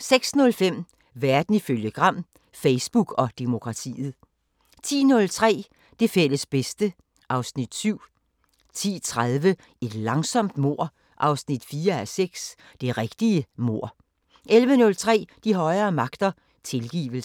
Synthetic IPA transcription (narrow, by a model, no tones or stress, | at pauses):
seɡ̥snɔ̽lfem̰ | ʋæɐd̥n̩iføljəɡ̥ʁɑ̈m̰ | feɪsb̥uɡ̥ɒ̽d̥emo̝kʰʁɑ̈t͡sʰḭːð̩ˠ | t͡sʰḭːnɔ̽lt͡sʰʁɛ̰ː | d̥e̝fel̰əsb̥esd̥ə | ʔɑ̈ʊsnid̥syʊ̰ | t͡sʰḭːt͡sʰʁaðˠʋə | e̝d̥lɑ̈ŋsɒ̽m̰d̥mo̝ɐ̰ | ʔɑ̈ʊsnid̥fiːɐæseɡ̥s | d̥e̝ʁeɡ̥d̥iəmo̝ɐ̰ | ʔelʋənɔ̽lt͡sʰʁɛ̰ːd̥iɦɒ̽ɪɐːmɑ̈ɡ̥d̥ɐ | t͡sʰe̝lɡ̥ḭːʋəl̩